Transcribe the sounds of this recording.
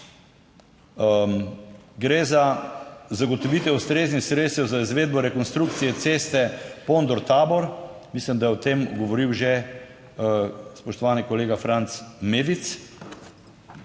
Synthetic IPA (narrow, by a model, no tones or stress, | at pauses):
ɡɾezazaɡɔt̪ɔʋiːt̪ɛust̪ɾeːznixsɾet̪st̪ɛwzaizʋeːd̪̚bɔɾɛkɔnst̪ɾuk̚t̪sijɛt̪seːst̪ɛpond̪ɔɾt̪aːbɔɾmislimd̪ajɛɔt̪emɡɔʋɔɾiwʒe | spɔʃt̪ɔʋaːnikɔleːɡafɾant̪smeːd̪it̪s